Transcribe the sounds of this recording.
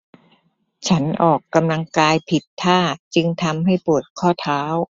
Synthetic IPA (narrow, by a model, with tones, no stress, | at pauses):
t͡ɕʰa˦˥nʔɔː˨˩kːa˧mla˧ŋkaː˧jpʰi˨˩t̪ʰːaː˥˩t͡ɕɯ˧ŋt̪ʰa˧mɦa˥˩jpu˨˩ət̪̚kʰɔː˥˩t̪ʰaː˦˥w